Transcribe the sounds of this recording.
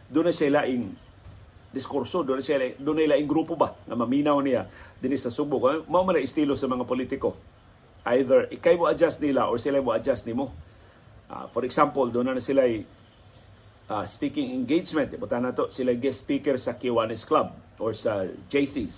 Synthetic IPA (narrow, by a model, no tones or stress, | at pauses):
d̪ʊnaʃaɪlaʔɪŋ | d̪ɪskoɾsod̪ʊnaʃalad̪ʊnaɪlaʔɪŋɡɾuːpobaŋɐmɐminawnɪjad̪ɪnisɐsʊɡ̚bʊkamaʔomanaʔɪst̪iːlosɐmɐŋapolit̪ɪko | ʔajðəɹʔɪkajmoad͡ʒasnilaʔoɹsɪlajmoad͡ʒast̪nɪmo | ʔa̰foɾɛksampold̪ʊnanasɪlaj | ʔaspikɪŋɪŋɡejd͡ʒmɛ̃nt̪bʊt̪anat̪oʔsɪlajɡɛspiːkɛɹsɐkwanɛsklab̚ʔoɹsad͡ʒejsis